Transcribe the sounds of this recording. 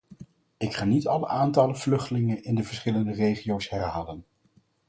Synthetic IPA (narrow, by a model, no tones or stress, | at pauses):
ɪkχaːnitɑlə̰ʔaːntɑləv̥lɵχtəlɪŋənɪndəvəɹsχɪləndərejχiowsɦɛrɦaːlən